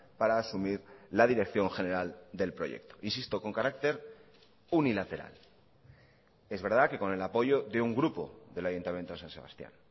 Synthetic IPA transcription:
paɾaːsumiɾlað̞iɾe̞kθjo̞ŋxe̞ne̞ɾald̪e̞lpɾo̞̰ʝe̞̰k̚t̪oinsist̪o̞ko̞ŋkaɾakt̪e̞ɾ | unilat̪e̞ɾa̰l | e̞zβe̞ɾð̞ake̞ko̞ne̞lapo̞ʝo̞ðe̞uŋɡɾupo̞̰ðe̞laʝunt̪amje̞nt̪osãnse̞β̞a̰st̪ja̰n

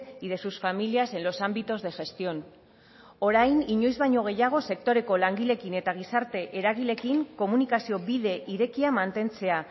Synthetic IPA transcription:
iðe̞susfamiliase̞nlo̞sambit̪o̞zðe̞ʝe̞st̪io̞n | o̞ɾajniɲo̞jzβajɲo̞ɣ̞e̞jaɣ̞o̞se̞k̚t̪o̞ɾe̞ko̞laŋɡile̞kine̞t̪aɣ̞isaɾt̪e̞ʔeɾaɣ̞ile̞kiŋko̞munikasio̞βiðe̞ʔiɾe̞kiamant̪e̞nt͡se̞a

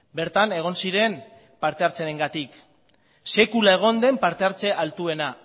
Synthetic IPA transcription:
be̞ɾt̪ane̞ɣ̞o̞nsiɾe̞m | paɾt̪e̞aɾt͡seɾeŋɡat̪ik | se̞kulae̞ɣ̞o̞nd̪e̞mpaɾt̪e̞aɾt͡se̞ʔalt̪ue̞na

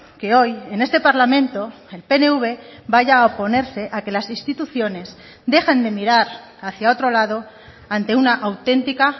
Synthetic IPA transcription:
ke̞o̞je̞ne̞st̪e̞paɾlamẽ̞nt̪o̞ | e̞lpe̞neuβe̞baʝaopo̞ne̞ɾse̞ʔake̞lasinst̪it̪uθjo̞ne̞s | d̪e̞xe̞nd̪e̞miɾaɾ | aθjao̞t̪ɾo̞laðo̞ | ant̪e̞unaʔawt̪e̞nt̪ika

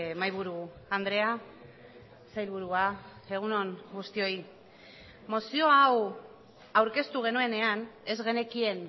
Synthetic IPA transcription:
majβ̞uɾuand̪ɾe̞a | sajlβ̞uɾuae̞ɣ̞uno̞ŋɡust̪io̞ji | mo̞sio̞aw | awɾke̞st̪uɣ̞e̞nue̞ne̞ane̞zɣe̞ne̞kie̞n

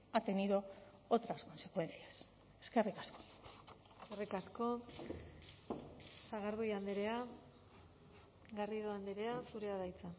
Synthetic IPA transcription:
at̪eniðo̞ | ot̪ɾasko̞nsekwe̞nθias | e̥skerikasko̥ | eskerikasko̞ | saɣaɾðujand̪eɾea | ɣariðoand̪eɾe̞asuɾe̞aðajt͡sa

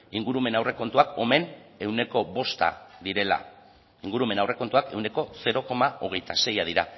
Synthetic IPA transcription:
iŋɡuɾume̞nawre̞ko̞nt̪uako̞me̞ne̞wne̞ko̞βo̞st̪a̰ðiɾe̞la̰ | iŋɡuɾume̞nawre̞ko̞nt̪uake̞wne̞ko̞se̞ɾo̞ko̞mao̞ɣ̞e̞jt̪ase̞jað̞iɾa

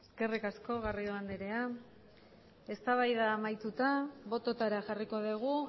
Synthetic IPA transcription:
eske̞rikasko̞ɣariðoand̪eɾe̞a | e̞st̪aβajðaːmajt̪ut̪aβo̞t̪o̞t̪aɾaʝariko̞ðiɣ̞u

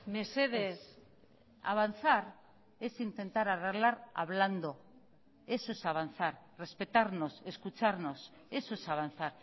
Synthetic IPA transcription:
meseðes | a̰β̞anθaɾ | e̞sint̪e̞nt̪aɾareɣlaɾa̰βland̪o̞ | e̞soesaβan̟θaɾre̞spe̞t̪aɾno̞se̞skut͡ʃaɾno̞s | esoesaβanθaɾ

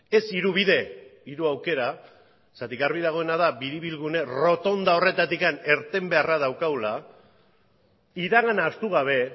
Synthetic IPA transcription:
e̞siɾuβ̞iðe̞iɾuawke̞ɾa | sat̪ikaɾβið̞aɣ̞o̞e̞naðabiɾiβilɣune̞ro̞t̪o̞nd̪ao̞re̞t̪at̪ikane̞ɾt̪e̞mbe̞arað̞awkawla | iðaɣanaːst̪uɣ̞aβ̞e̞

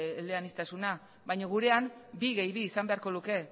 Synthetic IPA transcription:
leanist̪asuna | βajɲoɣ̞uɾe̞ambiɣejβiːsambe̞aɾko̞luke̞

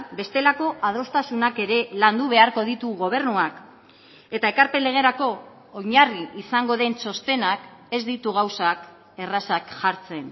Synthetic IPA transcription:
be̞st̪e̞lako̞ʔað̞o̞st̪asunake̞ɾe̞land̪uβ̞e̞aɾko̞ð̞it̪uɣo̞β̞e̞ɾnuak | e̞t̪ae̞kaɾpe̞le̞ɣ̞e̞ɾako̞ː | ɲariisaŋɡo̞ðe̞nso̞st̪e̞nake̞zd̪it̪uɣ̞awsak | e̞rasakʝaɾt͡se̞n

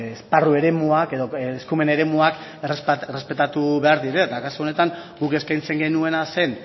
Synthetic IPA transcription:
esparue̞ɾe̞muake̞ðo̞skumene̞ɾe̞muakrsperespe̞t̪at̪uβe̞aɾðiɾe̞t̪akasuo̞ne̞t̪aŋɡuke̞skajnt͡se̞ŋɡe̞nue̞nase̞n

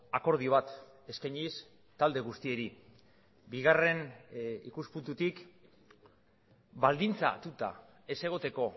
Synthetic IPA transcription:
ako̞ɾð̞ioβat̪ | e̞skajɲis | t̪ald̪e̞ɣust̪ie̞ɾi | biɣ̞are̞nḭkuspunt̪ut̪ik | bald̪int͡sa̰t̪ut̪a̰ | e̞se̞ɣ̞o̞t̪e̞ko̞

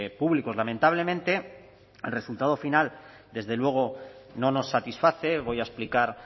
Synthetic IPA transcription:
puβliko̞zlamẽnt̪aβ̞le̞mẽ̞nt̪e | elre̞sult̪að̞o̞final | d̪e̞zðe̞lwe̞ɣ̞o̞no̞no̞sːat̪isfaθe̞βo̞jaesplikaɾ

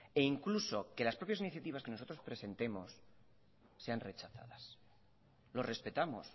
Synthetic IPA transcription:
e̞iŋkluso̞ke̞laspɾo̞pjas̬iniθjat̪iβ̞aske̞noso̞t̪ɾo̞spɾe̞se̞nt̪e̞mo̞sː | e̞anre̞t͡ʃaθa̰ðas | lo̞sre̞spe̞t̪amo̞̰s

